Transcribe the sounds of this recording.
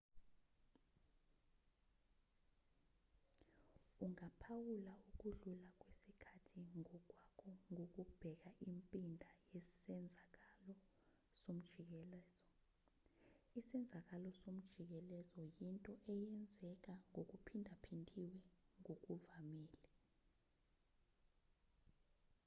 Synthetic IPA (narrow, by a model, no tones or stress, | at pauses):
uŋapʰawulauk̬uɮulak̬ʼwesikʰatʰiŋɔk̬ʼwakʰɔŋʱok̬ub̥ʱɛk̬aʔimpʼindʱajɛsɛnd͡zʱak̬alɔ | som̩d̥ʒ̥ʱik̬ɛlɛzɔ | isɛnd͡zʱak̬alɔsom̩d̥ʒ̥ʱik̬ɛlɛzɔjintʼɔʔɛjɛnd͡zʱɛk̬ʼaŋok̬upʰindʱapʰintʼiwɛŋok̬uvamiːlɛ